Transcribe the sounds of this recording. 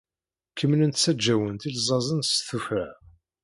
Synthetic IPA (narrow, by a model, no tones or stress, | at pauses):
kʰːəmːənənt̪t͡sːæd͡ʒːæwənt̪ilzˤɑzˤənsθufæʕ